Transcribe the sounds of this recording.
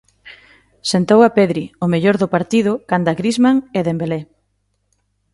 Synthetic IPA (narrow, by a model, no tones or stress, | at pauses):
sent̪owapeðɾiʊmeʎoɾðʊpaɾt̪iðʊkand̪aɣɾizmaŋeðembele